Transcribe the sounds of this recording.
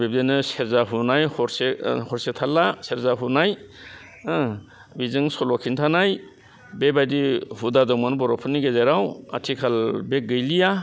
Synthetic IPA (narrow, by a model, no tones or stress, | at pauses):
beb̚denɯseɾzaɦunajhɔɾsehɔɾsetʰalaseɾzaɦunaj | bizɯŋsɔlɔkʰintʰanaj | bebajdihudadɔmanbɔɾɔpʰɯniɡezaɾawa̰tʰikʰalbek̚ɡɯjlija